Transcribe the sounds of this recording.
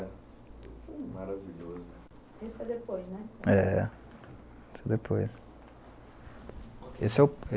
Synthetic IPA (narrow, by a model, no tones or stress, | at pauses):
femaɾaviʎozʊ | esɛd̪epojznɛɛ | esɛd̪epʰojs | ḛsɛʊe